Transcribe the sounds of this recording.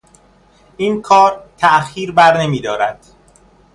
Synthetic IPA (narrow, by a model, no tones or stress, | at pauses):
ʔiːnkʰɒːɾt̪ʰæʔxiːɾbæɾne̞miːd̪ɒːɾæd̪̥